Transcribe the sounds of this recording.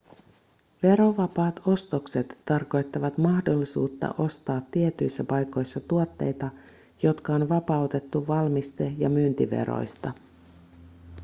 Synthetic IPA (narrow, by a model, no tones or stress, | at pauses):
ʋe̞ɾo̞ʋɑpɑːt̪o̞st̪okset̪ːɑrko̞jt̪ːɑʋɑt̪mɑhdo̞lːisṵːt̪ːɑ̰ʔo̞st̪ɑːt̪ːiet̪yjsːæpɑjko̞jsːɑt̪uot̪ːe̞̰jt̪ɑ | jo̞t̪kɑonʋɑpɑwt̪e̞t̪ːuʋɑlmist̪e̞jɑmynt̪iʋḛɾo̞̰jst̪ɑ